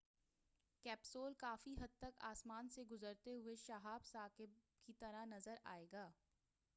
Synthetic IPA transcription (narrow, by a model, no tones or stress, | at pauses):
kɛːpsoːlkaːfiɦɐd̪̚t̪ɐka̰ːsmaːnseɡʊzəɾt̪eɦʊeʃaɦaːbsaːkɪb̚ | kit̪ɐɾanɐzəɾa̰ːeːɡaː